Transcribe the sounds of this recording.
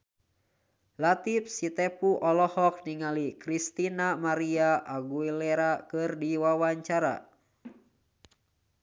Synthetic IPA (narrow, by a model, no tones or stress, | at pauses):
lat̪if̚sit̪ɛpuʔɔlɔhɔk̚niŋalikɾist̪inamaɾiaʔaɡuilɛɾakɨrdiwawaɲt͡ʃaɾa̰